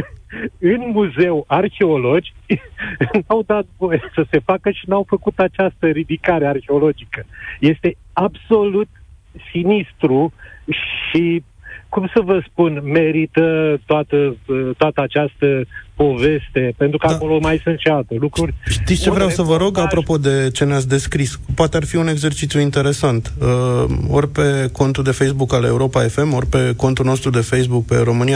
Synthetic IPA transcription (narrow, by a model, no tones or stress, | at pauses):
ɨnmuze̞warxe̞o̞lo̞d͡ʒʲ | nawd̪at̪vo̞jəsəsefakəʃinawfəkut̪at͡ʃast̪əɾid̪ikaɾearxeo̞lo̞d͡ʒikəje̞st̪e̞abso̞lut̪sinist̪ɾuʃi | kumsəvəspunme̞ɾit̪ət̪oat̪ət̪oat̪əat͡ʃast̪əpo̞ve̞st̪e̞pe̞nt̪ɾukəakolomajsɨnt̪ʃealt̪əlukurʲʃit̪sʲt͡ʃevɾeawsəvəɾo̞ɡapɾo̞po̞d̪e̞t͡ʃe̞neat̪s̬ʲd̪e̞skɾispoat̪earfiune̞ɡze̞rt͡ʃit̪sjuint̪e̞ɾe̞sant̪əo̞rʲpe̞ko̞nt̪uld̪e̞fejsbukaleuɾo̞pae̞fe̞mo̞rʲpe̞ko̞nt̪ulno̞st̪ɾud̪e̞fe̞jsbuk̚pe̞̰ɾo̞mɨnija